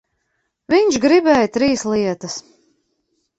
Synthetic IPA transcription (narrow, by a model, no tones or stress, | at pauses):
viɲʃɡɾibɛːjt̪ɾiːsliɛt̪ɐs